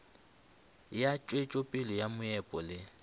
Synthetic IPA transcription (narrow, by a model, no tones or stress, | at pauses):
jat͡ʃʼwet͡ʃʼopʼɪlɔjamʊɛpʼɔlɪ